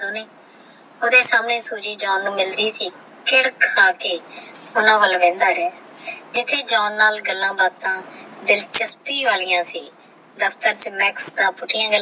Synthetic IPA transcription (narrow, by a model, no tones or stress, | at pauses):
oːneː | oːd̪eːsaːmnẽːsuːd͡ʒiːd͡ʒɔːnːũːmɪld̪iːsiː | kɪɽkʰːaːkeːʊnãːʋəlʋẽːnd̪aːɾɛː | d͡ʒɪt̪ʰːeːd͡ʒɔːnːaːlɡəlːãːbaːd̪t̪ãːd̪ɪlt͡ʃɪspiːʋaːlijãːsiː | d̪əpʰt̪əɾt͡ʃəmɛːksd̪ãːpʊʈʰɪjãːɡəl